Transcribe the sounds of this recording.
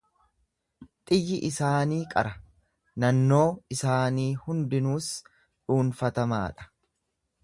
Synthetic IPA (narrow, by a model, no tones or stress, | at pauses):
t̪ʼɪjːɪʔɪsaːniːkʼɐ̰ɾɐ | nɐnːo̞ːɪsaːniːhʊnd̪ɪnuːs | ᶑuːnfɐt̪ɐma̰ːᶑɐ̥